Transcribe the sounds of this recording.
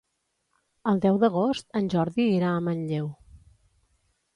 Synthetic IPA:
əlˠd̪ɛwðəɣ̞ost̪ənʲʒɔɾðiːɾaəmənʎew

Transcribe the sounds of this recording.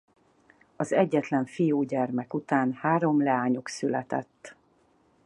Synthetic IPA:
ɒzɛɟːɛt̪lɛɱfijuːɟɛrmɛkut̪aːnhaːɾo̞mlɛaːɲuksylɛt̪ɛ̰t̪ː

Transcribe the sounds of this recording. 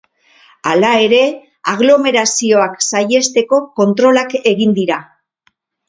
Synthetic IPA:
alae̞ɾe̞ | aɣ̞lo̞me̞ɾasio̞aksaje̞st̪e̞ko̞ko̞nt̪ɾo̞lake̞ɣind̪iɾa

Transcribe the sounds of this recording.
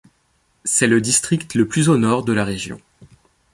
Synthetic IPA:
sɛləd̪ist̪χikt̪ləplyzonɔʁd̪əlaʁeʒjɔ̰̃

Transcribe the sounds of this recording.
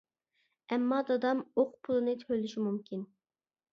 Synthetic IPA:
ɛmːɑd̪ɑd̪ɑmoqpʰulˠɨnɨt̪ʰɾølyʃimumkʲʰin

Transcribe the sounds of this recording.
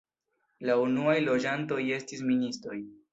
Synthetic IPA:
launuajlo̞d͡ʒanto̞je̞stisministɾo̞j

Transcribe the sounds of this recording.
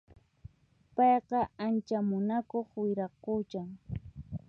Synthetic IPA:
pɑjqɑant͡ʃamʊnakoχwɪɾɑqʊt͡ʃaŋ

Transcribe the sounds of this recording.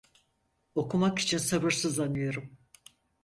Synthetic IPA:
o̞kʰumaki̥t͡ʃʰinsabɯɾsɯzlanɯjo̞ɾum

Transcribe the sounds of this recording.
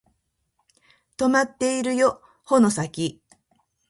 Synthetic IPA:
t̪o̞mat̪ːe̞iɾɯ̟jo̞ | ho̞no̞sakʲi

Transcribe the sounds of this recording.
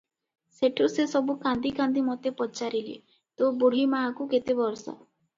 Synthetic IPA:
seʈʰusesɔbukand̪ikand̪imɔt̪epɔt͡ʃaɾilḛ | t̪obuɽ̤imakuket̪ebɔɾsɔ̰

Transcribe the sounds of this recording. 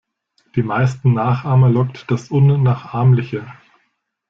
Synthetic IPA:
d̥iːmaɪstn̩naːχʔaːmɐlɔktd̥asʔʊnːaːχʔaɐmlɪçə

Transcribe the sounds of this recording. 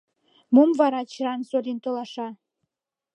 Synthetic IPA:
mumvɑɾɑt͡ɕɾɑnsolʲint̪olˠɑʃɑ

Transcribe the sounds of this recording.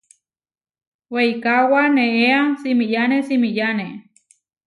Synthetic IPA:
weikawaneeasimijanesimijane

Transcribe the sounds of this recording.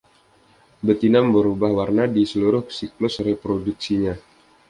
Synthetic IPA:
bət̪inambəɾubahwarnadisəluɾʊhsiklʊsrepɾoduksiɲa

